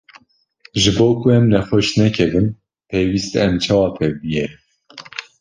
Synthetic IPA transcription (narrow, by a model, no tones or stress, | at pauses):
ʒɨboːkʰuɛmnɛxoʃnɛkʰɛvɨm | pʰejwiːst̪ɛmt͡ʃʰɑːwɑːt̪ʰɛbɨjɛ